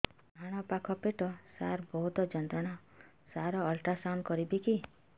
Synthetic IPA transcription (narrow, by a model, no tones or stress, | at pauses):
bʱaɽ̃ɔpakʰɔpeʈɔsaɾbɔɦut̪ɔd͡ʒɔnt̪ɾɔɽ̃a | saɾɔːlʈasankɔɾibiki